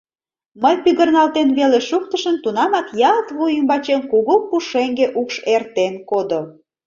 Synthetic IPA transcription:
məjpyɣərnɑlt̪enβeleʃuk̚t̪əʃənt̪unɑmɑkjɑt̪βujymbɑt͡ɕenkuɣopuʃeŋɡeʔukʃert̪enkod̪o

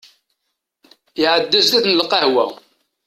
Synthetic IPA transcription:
jʕəd̪ːæzðæθnəlqɑhwæ̰

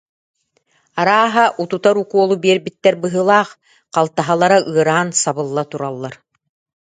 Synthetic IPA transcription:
aɾaːɦaʔut̪ut̪aɾukuɔlˠubiɛɾbit̪ːɛɾbɯɦɯlˠaːχ | qalˠt̪aɦalˠaɾaʔɯɐɾaːnsabɯlˠːat̪uɾalˠːaɾ

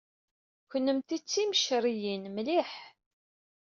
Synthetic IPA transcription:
çənːəmt̪it͡sːiməʃɾijinmliħ

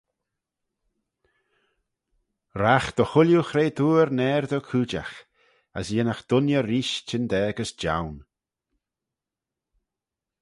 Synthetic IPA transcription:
ɾaxd̪̥əxʊljuxɾeːd̪uːɾnɛːɾd̪ɔkʰuːd͡ʒa̰x | asinaxd̪̥ʊnjəɾiːʃt͡ʃɪnd̪ɛːɡəsd͡ʒa̰wn

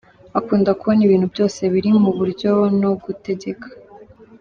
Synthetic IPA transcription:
akuːndakuβoniβiːn̥hubjo̞ːse̞βiɾimuβuɾɟo̞no̞ɡute̞ɟe̞kʰḁ

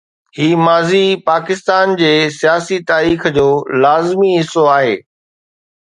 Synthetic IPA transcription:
hiːmaːzipaːkɪst̪aːnd͡ʑeːsijaːsit̪aːɾiːxd͡ʑoːlaːzmiɦɪsoaːɦeː

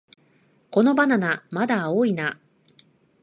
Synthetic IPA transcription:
ko̞no̞bananamad̪aoːina

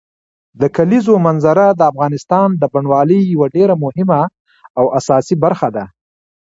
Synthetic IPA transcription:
d̪əkalizomanzaɾad̪əafɣɑnɪst̪ɑnd̪əbaɳwɑləjːawaɖeɾamʊhɪma | awʔasɑsibaɾxad̪a

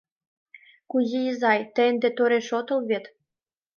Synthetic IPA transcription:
kuzijizɑjt̪ə̆jənd̪ĕt̪oɾeʃot̪ɤ̆lβet̪

